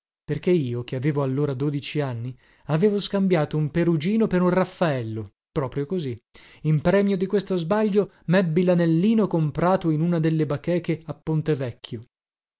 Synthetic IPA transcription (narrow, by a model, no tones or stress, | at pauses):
perkeiːokeaveːvoalːoːɾad̪oːd̪it͡ʃianːi | aveːvoskambjaːt̪oumpeɾud͡ʒiːnopeɾunrafːaɛlːo | pɾɔːpɾjokozi | impɾɛːmjod̪ikwest̪ozbaʎːo | mɛbːilanelːiːnokompɾaːt̪oinunad̪elːebakːɛːkeapːont̪evɛkʰːjo